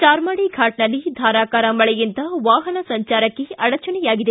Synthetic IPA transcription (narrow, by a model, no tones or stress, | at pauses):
t͡ʃaːɾmaːɽiɡʰʱaːʈnɐlːid̪ʱaːɾaːkaːɾɐmɐɭɛjint̪ɐʋaːɦɐnɐsɐɲt͡ʃaːɾɐkːeɐɽɐt͡ʃɐnɛjaːɡid̪e